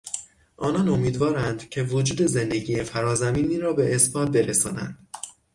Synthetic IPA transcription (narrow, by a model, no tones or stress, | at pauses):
ʔɒːnɒːno̞miːd̪vɒːɾænd̪̥cʰe̞vo̞d͡ʒuːd̪e̞ze̞nd̪eɟiːjefæɾɒːzæmiːniːɾɒːbe̞ʔːsbɒːt̪̚be̞ɾesɒːnæ̰nd̪̥